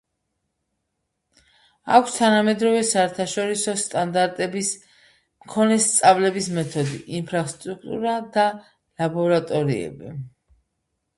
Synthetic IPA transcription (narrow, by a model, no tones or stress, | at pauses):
akʷʰst̪ʰanamɛd̪ɾɔvɛsaɛɾt̪ʰaʃɔɾisɔst̪ʼand̪aɾt̪ʼɛbis | mkʰɔnɛst̪sʼavlɛbismɛt̪ʰɔd̪iʔːnpʰɾast̪ʼɾuk̚t̪ʼṵɾad̪a | labɔɾat̪ʼɔɾḭɛ̰bi